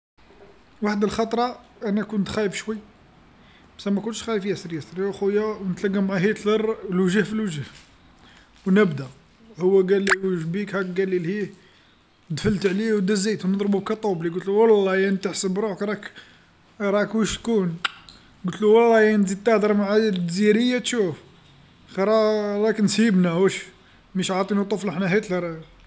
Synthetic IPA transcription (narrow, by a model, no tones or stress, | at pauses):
waħəd̪əlxɑt̪ˤɾˤɑʔænækunt̪xæjəbʃwəjː | bæsæmækʊnʃxæjəfjæsɾjæsɾjæxujːæwnət̪læɡəmʕaɦit̪ləɾˤlwʒæhfilwʒh | wnəbd̪æ | hʊwːæɡælːiʒbikhæɡɡælilhi | d̪fəlt̪ʕliwd̪æzijt̪wnəd̪ˤɾbukæt̪ˤubliɡut̪luwɑlːɑjænt̪əħsəbɾˤukɾˤɑk | ɾˤɑkwəʃt̪kun | ɡut̪luwɑlˤːɑjænzid̪̚t̪ɑd̪əɾˤmaʕad̪ziɾəjːat̪ʃuf | xiɾˤɑɾˤɑknsibnæwæʃ | miʃʕɑt̪ˤinut̪ˤofləħnæɦit̪ləɾˤ